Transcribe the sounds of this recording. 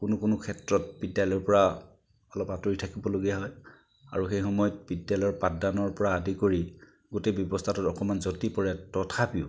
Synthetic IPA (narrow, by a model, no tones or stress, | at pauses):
kʊnʊkʊnʊkʰɛtɹɔtbidjalɔjɔɹpɔɹa | ɔlɔpatoɹitʰakibɔloɡijaɦɔj | a̰ɹuxejxɔmɔjɔt̚bidjalɔjɔɹpadanɔɹpɔɹaːdikoɹi | ɡotebjɔbɔstʰatɔtɔkɔmanzɔtipɔɹɛtɔtʰapiʊ